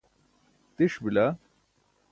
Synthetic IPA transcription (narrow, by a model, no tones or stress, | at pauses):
t̪iʂbilɐ